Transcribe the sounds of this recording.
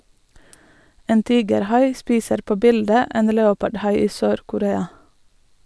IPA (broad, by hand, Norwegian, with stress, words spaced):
ˈeːn ˈtiːɡəɾˌhɑɪ ˈspiːsəɾ ˈpoː ˈbɪldə ˈeːn ˈleːʊpɑɖˌhɑɪ ˈiː ˈsøːɾkʊˌɾeːɑ